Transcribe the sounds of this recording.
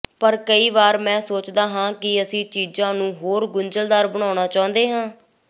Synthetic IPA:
pəɾkəiːʋaːɾmɛ̃ːsoːt͡ʃd̪aːɦãːkɪəsĩːt͡ʃiːzãːnũːɦoːɾɡʊɲd͡ʒəld̪aːɾbəɽ̃aːʊɳaːt͡ʃaːʊ̃nd̪eːɦãː

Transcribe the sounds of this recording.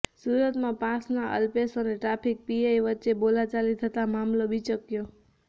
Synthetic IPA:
suɾət̪mãpãsnaʔə̰lpesəneʈɾapʰik̚piajʋətːt͡ʃebolat͡ʃalit̪ʰət̪amamlobʱit͡ʃəkjo

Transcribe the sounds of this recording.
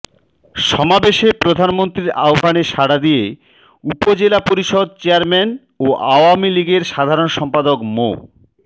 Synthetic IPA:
ʃɔmabeʃepɾod̪ʱanmont̪ɾiɾa̰obʱaneʃaɽad̪ije | upod͡ʑelapoɾiʃod̪̚t͡ɕeaɾmen | oʔaoamiliɡeɾʃad̪ʱaɾonʃɔmpad̪okmo̰

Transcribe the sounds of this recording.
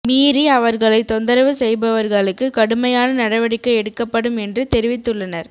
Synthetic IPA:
miːɾiɐʋɐɾɣɐɭɐɪt̪ɔnd̪ɐɾɐʋɯsɛjbɐʋɐɾɣɐɭɯkːɯkɐɽɯmɐjaːnɐnɐɽɐʋɐɽɪkːɐɪɛɽɯkːɐpːɐɽɯmɛndrɯt̪ɛɾɪʋɪt̪ːɯɭːɐnɐɾ

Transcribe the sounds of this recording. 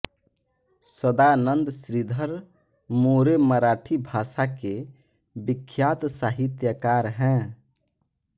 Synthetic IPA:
səd̪anənd̪sɾid̪ʱəɾmoɾeməɾaʈʰibʱasakebikʰːjat̪saɦit̪jəkaɾɦɛ̃

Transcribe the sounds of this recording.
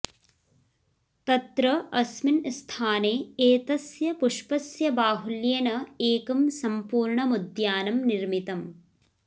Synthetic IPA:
t̪ɐt̪ɾɐɐsminst̪ʰaːneːeːt̪ɐsjɐpuʂpɐsjɐbaːɦuljeːnɐeːkɐmsɐmpuːɾɳɐmud̪jaːnɐmniɾmit̪ɐm

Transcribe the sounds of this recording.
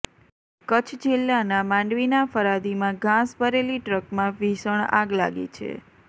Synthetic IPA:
kət͡ʃʰd͡ʒelːanamãɳɖʋinafəɾad̪imãɡʱãsbʱəɾeliʈɾəkmãʋiʃəɳa̰ɡla̰ɡḭt͡ʃʰḛ

